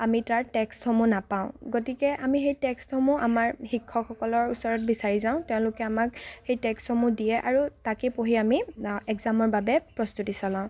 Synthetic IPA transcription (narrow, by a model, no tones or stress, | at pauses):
amitaɹtɛkstxɔmũnapaʊ̃ɡotikɛʔamixejtɛksthɔmʊ̃ʔamaɹxikʰːɔkxɔkɔlɔɹusɔɹɔt̚bisaɹizaʊ̃tɛʊ̃lʊkɛamakxejtɛksthɔmũdijɛʔaɹutakepoɦiamiɛɡzamɔɹbabɛpɹɔstutisɔlãʊ̃